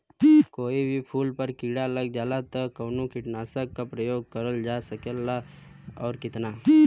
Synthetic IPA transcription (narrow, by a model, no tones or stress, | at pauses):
koːibʱipʰuːlpəɾkiːɽaləɡd͡ʒaːlat̪əkɐːnukɪʈnasəkːapɾəjoːɡ̚kəɾəld͡ʒasəkəlːaɔːɾkɪt̪na